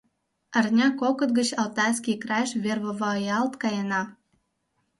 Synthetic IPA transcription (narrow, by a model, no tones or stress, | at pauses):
ərnʲɑkokə̆t̪̚ɡə̆t͡ɕɑlt̪ɑjskʲikrɑjʃβʲerβovɑjɑlt̪kɑjənɑ